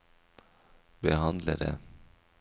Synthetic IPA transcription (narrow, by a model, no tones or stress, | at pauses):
bəhɑnd̪ləɾə̰